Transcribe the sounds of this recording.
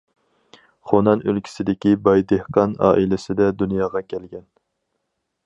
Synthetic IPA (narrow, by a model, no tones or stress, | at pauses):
χonɑnølkʲʰi̥sɪd̪ɪkʲibɑjd̪ehqɑnɑ̰ːʔilɪsɪd̪ɛd̪unjɑːʁɑkʲʰɛlɡʲɛn